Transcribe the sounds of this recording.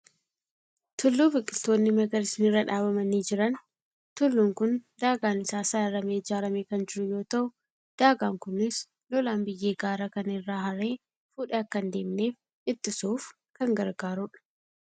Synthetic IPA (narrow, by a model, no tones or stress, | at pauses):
t̪ʰʊlːuːbɪkʼːɪlt̪ːo̞ːnːɪmɐɡɐlɪsnɪrɐᶑaːbɐmɐniːd͡ʒɪɾɐn | t̪ʊlːuːŋkʊnd̪aːɡaːnɪsaːsaːɪɾɐmeːd͡ʒaːɾɐmeːkɐnd͡ʒɪɾʊjo̞ːt̪ɐʔʊ | d̪̥aːɡaːŋkʊnɪs | lɔlaːmbɪjːe̞ːɡaːɾɐkɐnɪrːaːɦɐɾe̞ː | fuːᶑeɐkːɐnd̪e̞ːmne̞ːf | ɪt̪ːɪsuːf | kɐŋɡɐɾɡaːɾʊᶑ